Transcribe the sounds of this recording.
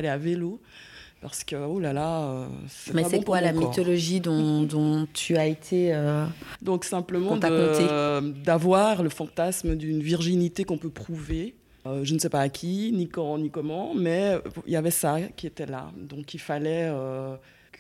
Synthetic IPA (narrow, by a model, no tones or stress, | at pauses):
alɛavelo | paʁsə̥kəolalaø̰sɛmɛabɛɔ̃kpwalamit̪ɔlɔʒid̪ɔ̃d̪ɔ̃t̪ʰyaet̪ʰeød̪ɔ̃ksɛ̃pləmɑ̃dt̪aəkɔt̪ed̪avwaʁləfɑ̃t̪asməd̪ynviʁʒinit̪ekɔ̃pøpχuve | øʒənəsɛpaːkʲʰinikɑ̃nikɔmɑ̃mɛḭljavɛsakʲiet̪ɛla̰d̪ɔ̃kilfalɛø | k